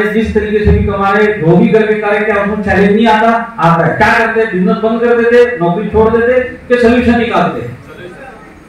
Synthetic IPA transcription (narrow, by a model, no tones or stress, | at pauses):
eʋist̪əɾikesʰemĩt̪əmaɾeɖ̪ʱoɡiɡəɾʋekaɾekeaũt͡ʃɛlennĩat̪aapekjakəɾt̪ed̪inət̪̚bə̃nd̪kəɾd̪et̪enɔkɾit͡ʃʰoɽd̪et̪ekesəluʃə̃nnĩkalt̪ḛ